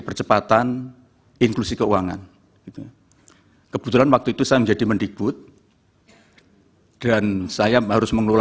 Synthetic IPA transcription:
pərt͡ʃəpat̪an | ɪŋklusikəuwaŋa̰n | ɡ̥it̪u | kəb̥u̥t̪ulanwak̚t̪uit̪usajaməɲd͡ʒadimənɖik̚b̥ʊt̪̚ | d̥ansajaɦaɾʊsməŋlula

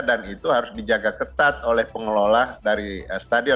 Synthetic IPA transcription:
danit̪uɦaɾʊsdid͡ʒaɡakət̪at̪̚olɛhpəŋəlolahdaɾiəst̪adiɔ

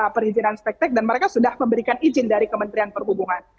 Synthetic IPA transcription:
pərhid͡ʒinanst̪ɛk̚t̪ɛk̚danməɾekasudahməmbəɾikanid͡ʒɪndaɾikəmənt̪ɾianpərɦubuŋan

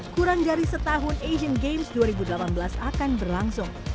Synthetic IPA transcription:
kuɾaŋdaɾisət̪aɦʊned͡ʒənɡemsduaɾibudəlapanbəlasakanbərlaŋsʊŋ

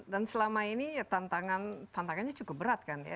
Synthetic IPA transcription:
dansəlamainit̪ant̪aŋant̪ant̪aŋanɲat͡ʃukʊp̚bəɾat̪̚kanja̰

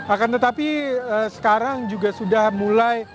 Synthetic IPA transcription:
akant̪ət̪apiəsə̥kaɾaŋd͡ʒuɡasudahmulaj

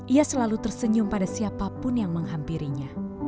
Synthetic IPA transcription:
ʔiasəlalut̪ərsəɲʊmpadasiapapʊnjaŋməŋɦampiɾiɲa

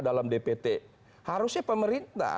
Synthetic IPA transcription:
dalamdepet̪e | haɾʊsɲapəməɾint̪a̰

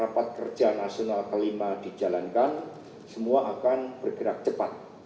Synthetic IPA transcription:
apat̪̚kərd͡ʒanasionalkəlimad̥id͡ʒalankan | səmuaʔakanb̥ərɡ̥əɾak̚t͡ʃəpat̪̚

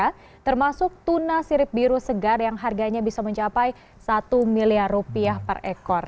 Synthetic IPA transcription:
a | t̪ərmasʊk̚t̪unasiɾɪp̚biɾusəɡarjaŋɦarɡaɲabisaməɲt͡ʃapaj | sat̪umiliarupiahpə̰rɛkɔr

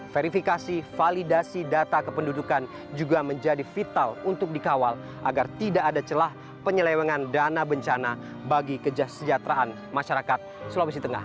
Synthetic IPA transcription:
feɾifikasifalidasidat̪akəpəndudukan | d͡ʒuɡaməɲd͡ʒadifit̪alunt̪ʊk̚dikawal | ʔa̰ɡart̪idaʔːdat͡ʃəlah | pəɲəlɛwɛŋandanabəɲt͡ʃana | baɡikəd͡ʒasəd͡ʒat̪ɾaʔan | maʃaɾakat̪̚slawis̬it̪əŋa̰h

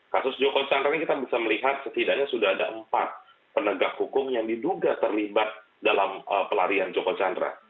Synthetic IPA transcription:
kasʊsd͡ʒokot͡ʃandɾanikit̪abisaməliɦat̪̚sət̪idaŋɲasudahadaʔəmpa̰t̪̚ | pənəɡakhukʊmjaŋdiduɡat̪ərlibat̪̚ | dalaməpəlaɾiand͡ʒokot͡ʃandɾa̰

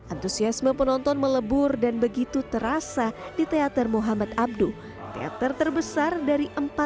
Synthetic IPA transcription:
ʔant̪usiasməpənɔnt̪ɔnmələbʊrdanbəɡit̪ut̪əɾasadit̪eat̪ərmoɦamat̪ab̚du | t̪ea̰t̪ərt̪ərbəsardaɾiʔəmpa

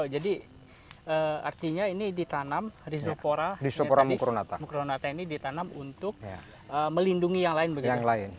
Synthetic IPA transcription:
od͡ʒadi | ʔəːa̰rt̪iɲainidit̪anamris̬opoɾadisopoɾamukɾonat̪amukɾonat̪ainidit̪anamunt̪ʊk̚ | əməlinduŋijaŋlaɪnbəaɡijaŋlaɪn

